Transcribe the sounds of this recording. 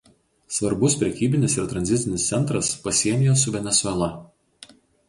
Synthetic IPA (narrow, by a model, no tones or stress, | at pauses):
sʋɐɾbʊspʲɾʲɛkʲiːbʲɪnʲɪsɪɾt̪ɾɐnʲzʲɪt̪sʲɪnʲɪst̪sʲɛnt̪ɾɐspɐsʲiɛnʲɪjoːs̬ʊʋʲɛnʲɛsʊɛlˠɐ